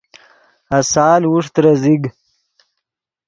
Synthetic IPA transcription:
ɐsaːlwuʂt̪ɾɐziɡ

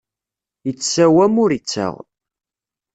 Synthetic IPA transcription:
jət͡sːsæwæmʊɾit͡sːə̰ʁ

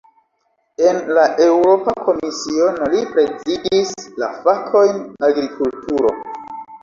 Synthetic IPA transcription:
e̞nlaʔe̞wɾo̞pakʰo̞misionolipɾe̞zidisla̰fakʰo̞jnaɡɾikʰultuɾo̞̰

